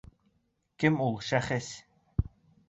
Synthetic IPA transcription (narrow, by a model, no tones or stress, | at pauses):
kɪmulˠʃæχɘs